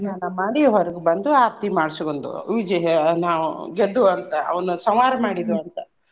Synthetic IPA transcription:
naːnɐmaːɽiɦɐɾɐɡebɐnd̪uaːɾt̪imaːɽsikoɳd̪ṵʋid͡ʒɐɦɐnaːʋṵɡed̪ːuɐnt̪ɐʔɐ̰ʋɐnusɐmaːɾɐmaːɽid̪uɐnt̪ɐ

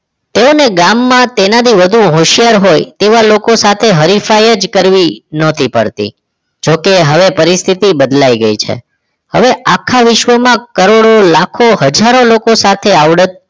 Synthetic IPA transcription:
t̪eoneɡamːãt̪enat̪ʰiʋəd̪ʱũɦoʃijaɾɦojt̪eʋalokosat̪ʰeɦəɾifajəd͡ʒkəɾʋinɔt̪ʰipə̰ɽt̪ḭ | d͡ʒokeɦəʋepəɾist̪ʰit̪ibəd̪laiɡəit͡ʃʰḛ | hə̰ʋeʔakʰaʋɪʃʋəmãkəɾoɽolakʰoɦəd͡ʒaɾolokosat̪ʰeaʋɽət̪̚

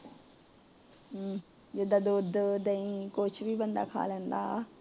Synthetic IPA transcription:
d͡ʒɪd̪aːd̪oːd̪d̪əĩːkʊt͡ʃʰʋiːbənd̪a̰ːkʰa̰ːlɛ̃ːnd̪aː

